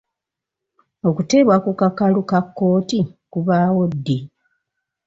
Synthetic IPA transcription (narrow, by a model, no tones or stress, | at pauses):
o̞kute̞ːβwakukakalukakːo̞ːtikuβaːwo̞dːi